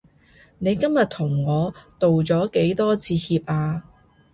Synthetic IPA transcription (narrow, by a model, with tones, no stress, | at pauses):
ne˨˧jkɐ˥mjɐ˨t̪ʰʊ˨˩ŋːɔː˨˧t̪o˨wt͡sɔː˨˥ke˨˥jt̪ɔː˥t͡sʰiː˧hiː˧p̚ʔaː˧